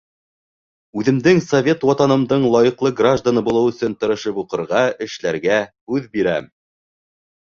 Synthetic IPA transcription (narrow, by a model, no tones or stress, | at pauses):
ʉðɘ̆md̪ɘŋsovʲe̞t̪wɑt̪ɑnɤ̆md̪ɤɴlˠɑjɤ̆qlˠɤɡraʒd̪anɤbulˠɤwɵ̆sɵnt̪ɤ̆ɾɤ̆ʃɤpuqɤ̆ɾʁɑɘ̆ʃlæɾɡæhʉðbiɾæm